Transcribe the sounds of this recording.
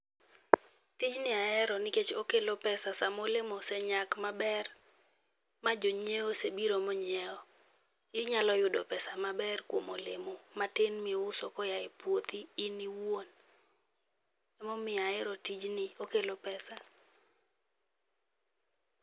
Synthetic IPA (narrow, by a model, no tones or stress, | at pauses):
tid͡ʒnɪaɛɾɔnɪket͡ʃokelopɛsasamolemosɛɲakmabɛr | mad͡ʒoɲeosebiɾomoɲɛɔ | ɪɲalɔjʊdo̰pɛsamabɛrkwomolemomatenmʊsɔkɔjaepwot̪iːniwon | ɛmɔmɪaɛɾɔtid͡ʒnɪokelopɛsa